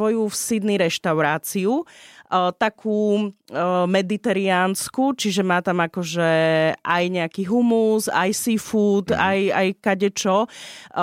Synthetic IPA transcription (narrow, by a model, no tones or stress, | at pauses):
ɔjufsid̪niɾɛʃt̪aʊɾaːt͡siu | t̪akʰuː | mɛd̪it̪ɛɾiaːnskut͡ʃiʒɛmaːt̪amakɔʒɛʔajɲɛakiːɦumusa̰jsifuːt̪aja̰jkaɟɛt͡ʃɔ